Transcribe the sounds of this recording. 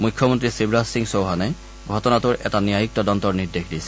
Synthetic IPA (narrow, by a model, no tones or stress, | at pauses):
mujkʰːɔmɔntɹisibɹasiŋsowɦanɛ | ɡʱɔtɔnatʊɹʔɛ̰taniajik̚tɔdɔntɔɹniɹdexdisɛ̥